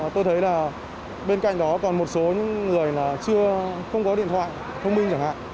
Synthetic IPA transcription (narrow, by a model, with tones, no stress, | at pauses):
t̪o˧jt̪ʰə˨˦jlaː˨˩ | ɓe˧nka̰˧˨ŋ̟ɗɔ˨˦kɔ˨˩nmo˨˩t̚so˨˦ɲɨ̰˧˥ŋːɨ˨˩əjlaː˨˩t͡ɕɨ˧əxə˧wŋ͡mkɔ˨˦ɗḭ˧˨ənt̪ʰwa̰ː˧˨j | t̪ʰə˧wmï˧ŋ̟t͡ɕa˧˩ŋha̰ː˧˨j